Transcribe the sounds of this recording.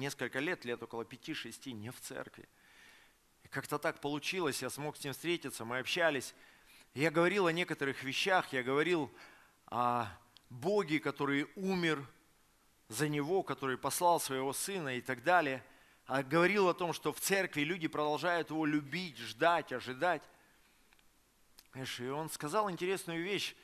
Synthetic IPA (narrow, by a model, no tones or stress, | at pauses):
nʲe̞skəlʲkəlʲet̪lʲet̪o̞kəlˠəpʲɪtʲiʂɨsʲtʲinʲɪft̪sɛ̰rkvʲɪ̰ | ɪkakt̪ət̪ak̚pəlˠʊt͡ɕilˠəsʲjasmo̞ksʲnʲimfst̪ʲɾʲetʲɪt̪səmɨɐpɕːælʲɪsʲ | jaɡəvɐɾʲilˠɐnʲe̞kət̪əɾɨxvʲɪɕːaxjaɡəvɐɾʲilˠ | ɐ | bo̞ɡʲɪkɐt̪o̞ɾɨjumʲɪr | zənʲɪvo̞kɐt̪o̞ɾɨjpɐslˠɑlˠsvəjɪvo̞sɨnəɪt̪ɐɡd̪alʲɪjə | ɐɡəvɐɾʲilˠɐt̪o̞mʂt̪o̞ft̪sɛrkvʲɪlʲʉdʲɪpɾəd̪ɐlˠʐajʊt̪jɪvo̞lʲʊbʲitʲʐd̪atʲɐʐɨd̪atʲ | ʂɪo̞nskɐzɑlˠɪnʲtʲɪɾʲe̞snʊjʊvʲeɕ